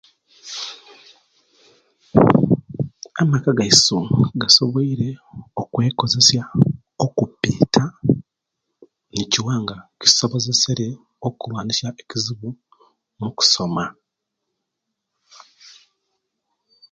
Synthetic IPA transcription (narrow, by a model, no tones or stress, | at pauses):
amakaɡaisoɡaso̞βoiɾe̞okwe̞ːko̞ze̞sja | okupːiːtʰa | niciwaːŋɡaci̥so̞βo̞ze̞seɾe̞ | okuβaːnisjaeciziβu | muku̥so̞ma